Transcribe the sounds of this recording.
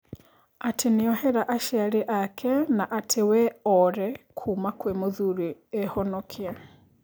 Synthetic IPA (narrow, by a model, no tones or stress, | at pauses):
atʰeniɔhɛɾaʔaʃɛaɾiʔakʰɛnaʔatʰewɛɔɾɛkʰumakwemoðuɾiɛhɔnɔkʰiɛ